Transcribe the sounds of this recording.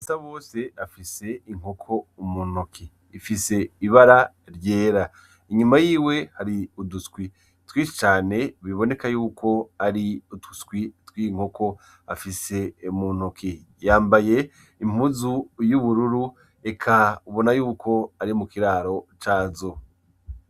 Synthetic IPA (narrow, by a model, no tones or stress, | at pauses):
isaβo̞ːse̞afise̞iŋ̥hokʰo̞umunukʰiː | fise̞iβaɾa | ɾje̞ːɾa | iɲumajiːwe̞haɾiudutkwi | twiːt͡ʃi̥t͡ʃaːne̞βiβo̞ne̞kajuːkʰo̞aɾiutu̥tkwitwiŋ̥hokʰo̞ | afise̞umun̥ukʰi | jaːmbaje̞ | im̥uzujuβuɾuɾu | ekʰauβo̞najuːkʰo̞aɾimukiɾaːɾo̞t͡ʃaːzo